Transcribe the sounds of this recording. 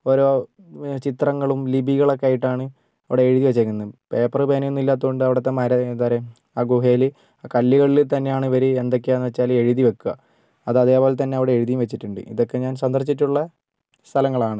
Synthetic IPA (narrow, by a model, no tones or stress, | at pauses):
o̞ːɾo̞ː | t͡ɕit̪rɐŋːɐɭumlibʱiɣɐɭo̞kːeaːjiʈːaːɳɨ | ɐʋiɽe̞ːɻiðiʋet͡ɕːɐkʲːunːɐpe̞ːpːɐrɨbeːnɐunːilːaːt̪ːuɣoɳɖɨɐʋiɽet̪ːemɐɾɐðaːɾe | aːɡuɦeːlɨ | kɐlːiɣɐɭilt̪ɐnːe̞jaːɳɨʋɐɾuend̪o̞k̬ːeeːnːɨʋet͡ɕːaːle̞ɻiðiʋekːuɣɐ | ɐðɐðe̞ːpoːlet̪ɐnːe̞ɐʋiɽe̞eɻiðijumʋet͡ɕːiʈːuɳɖɨ̰ʔḭðo̞kːe̞ɲaːnsɐnd̪ɐrt͡ɕːiʈ̬ːuɭːɐ | st̪ʰɐlɐŋːɐɭaːɳɨ